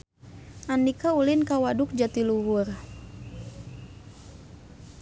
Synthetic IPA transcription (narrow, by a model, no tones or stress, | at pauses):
ʔandikaulinkawaduk̚d͡ʒat̪iluɦur